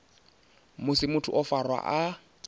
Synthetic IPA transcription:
mʊsɪmʊtʰʊʔɔfarwa̰ʔa

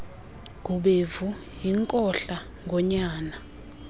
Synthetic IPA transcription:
k̬ʼuɓevujiŋkʼɔɬa | ŋʱɔɲaːna

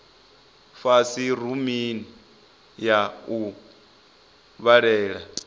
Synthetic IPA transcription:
fasiɾumini | jau | βaɺɛːɺa

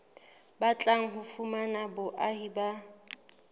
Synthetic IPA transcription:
bat͡ɬʼaŋ̩ɦʊfumanabʊʔahiba

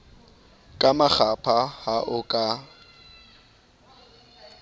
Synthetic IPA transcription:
kʼamaχapʰahaʔʊkʼa

